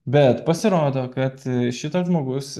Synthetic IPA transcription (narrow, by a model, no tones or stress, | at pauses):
bʲɛt̪pɐsʲɪɾoːd̪oːkɐt̪ʃʲɪt̪oʒmoːɡʊs